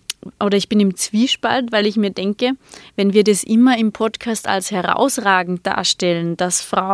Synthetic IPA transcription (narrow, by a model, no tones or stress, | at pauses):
ʔoːɾɐɪçb̥ɪnɪmt͡sv̥iːʃpa̰ltvaɪlɪçmiːɐdɛŋkəvɛnviːɐdasʔɪmɐɪmpʰɔtkʰaːsta̰lshɛʁa̰ʊsʁaːɡŋ̩t̚d̥a̰ːɐʃtɛlənd̥asfʁ̥a